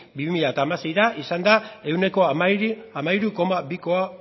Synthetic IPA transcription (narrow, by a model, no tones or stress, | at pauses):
biβimiʎat̪aːmase̞jɾaʔisand̪ae̞wne̞ko̞amaamaiɾuko̞maβikoa